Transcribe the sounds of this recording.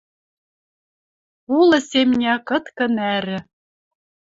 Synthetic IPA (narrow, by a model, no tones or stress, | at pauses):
ulɤ̆semnʲækɤ̆t̪kɤ̆næɾɘ̆